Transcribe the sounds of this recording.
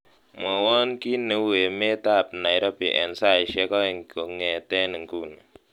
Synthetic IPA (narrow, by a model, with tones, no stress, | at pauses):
mo˨wɔ˦nki˦ne˨˦we˨me˦ta˦˨p̚na˨jɾɔ˦pḭ˨ʔɛ̰˨nsa˦˨i˨ʃɛ˦kɔ˦i˨ŋ˨ko˨ŋe˨tɛ˦ni˨ŋ˨ku˦ne˨